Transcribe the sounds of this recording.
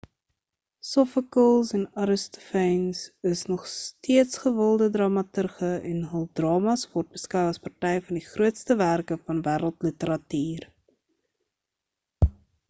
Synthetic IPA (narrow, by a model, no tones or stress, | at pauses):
sɔfəkəlˠsɛnɑɾəstɔ̥fɛjnsəsnɔχstiətsχəvəlˠdədrɑmɐtərχəɛnɦəlˠdrɑːmɐsvɔrt̚b̥əskœwɐspɐrtɛjfɐndiχruətstəværkəfɐnvæːɾəlˠtlətəɾɐtyːr